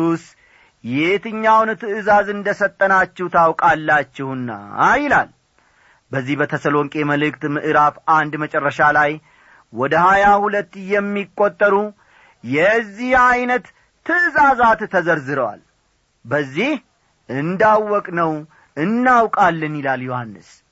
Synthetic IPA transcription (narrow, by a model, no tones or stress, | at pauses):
us | jet̪ʰɨɲːawnt̪ʰɨɨzazɨnd̪əsət̪ʼːənat͡ʃːɪht̪ʰawkʼalːat͡ʃːɪhɨnːa̰jɪlal | bəzːihbət̪ʰəsəlo̞ŋkʼeməlɨkt̪mɨʔɨɾafand̪mət͡ʃʼɛrːəʃalaj | wɔd̪əhajahulət̪ːjɛmːikʼːot̪ʼːəɾu | jɛzːihajnət̪ʰː | ɨʔɨzazat̪ːʰəzəɾzɨɾəwa̰l | bəzːih | ʔɨnd̪awːɔkʼnəw | ɨnːawkʼalːɨnjɪlaljohanːɨ̰s